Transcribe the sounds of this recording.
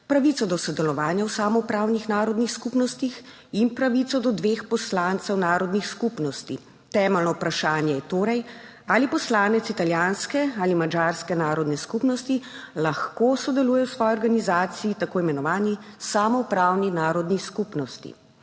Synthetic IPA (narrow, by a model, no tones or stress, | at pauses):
pɾaʋit̪sɔd̪ɔsɔd̪ɛlɔʋaːnjawsaːmɔwpɾaːwnixnaːɾɔd̪nixskupnɔst̪ix | impɾaʋit̪sɔd̪ɔd̪ʋeːxpɔslaːnt̪sɛwnaːɾɔd̪nixskupnɔst̪ḭ | t̪ɛːmɛlnɔpɾaʃaːnjɛjɛt̪oːɾɛj | alipɔslaːnɛt̪sit̪aljanskɛalimad͡ʒaːɾskɛnaːɾɔd̪nɛskupnɔst̪ilaxkoːsɔd̪ɛluːjɛwsʋɔːjiɔɾɡanizaːt̪siit̪akoːimɛnɔʋaːni | samɔupɾawninaːɾɔd̪niskupnɔst̪ḭ